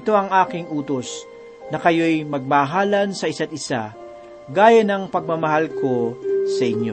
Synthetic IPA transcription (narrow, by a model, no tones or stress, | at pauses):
t̪o̞ɐŋʔaːkɪŋʔuːt̪o̞s | nɐkɐjo̞jmɐɡ̚mɐɦaːlɐnsɐɪsat̪̚ɪsa̰ | ɡaːjɐnɐŋpɐɡ̚mɐmɐɦalkʰo̞sɐʔɪɲjo̰